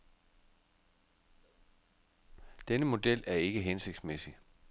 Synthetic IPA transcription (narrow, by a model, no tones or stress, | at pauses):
d̥enəmo̝d̥el̰æɐe̝ɡ̥əɦense̝ɡ̥d̥smesi